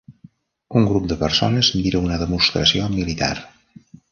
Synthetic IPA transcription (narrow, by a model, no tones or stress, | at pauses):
uŋɡɾup̚d̪əpərso̰nəzmiɾəunəðəmust̪ɾəsiomilit̪a̰r